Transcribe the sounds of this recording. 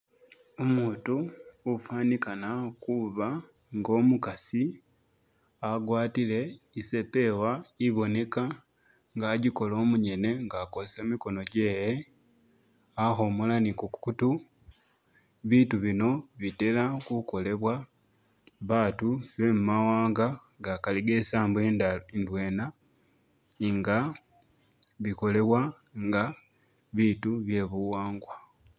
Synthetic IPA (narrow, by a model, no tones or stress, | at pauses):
omuːtuːfaːnikanakuβa | ŋɡo̞ːmukasi | aɡwaːtile̞ | ise̞pe̞waiβo̞ne̞ka | ŋɡaːɟiko̞lo̞ːmuɲe̞ne̞ŋɡaːko̞se̞miko̞no̞ɟe̞ːje | axo̞molanikukkutu | βiːtuβino̞βite̞lakuko̞le̞βwa | βaːtuβe̞mumawaːŋɡa | ɡakaliɡe̞ːsaːmbweindwe̞ːna | ŋɡa | βiko̞le̞βwa | ŋɡa | βiːtuβje̞βuwaːŋɡwa